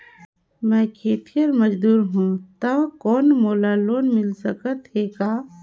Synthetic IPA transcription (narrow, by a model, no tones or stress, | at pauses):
mɛ̃ːkʰeːt̪ʰijəɾməd͡ʒd̪uːɾɦũːt̪ɐʋkɔːnmoːlaːloːnmɪlsəkət̪ɦeːkaː